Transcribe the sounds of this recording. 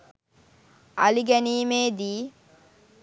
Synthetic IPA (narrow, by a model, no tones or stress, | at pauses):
aliɡæniːmeːd̪iː